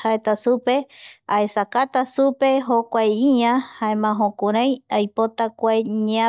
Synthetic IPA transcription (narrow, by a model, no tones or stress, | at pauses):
haet̪asupeaesakat̪asupe̞ɦokʷajiɲãhaemãɦõkuɾ̃ãj̃ajpot̪akʷaeɲã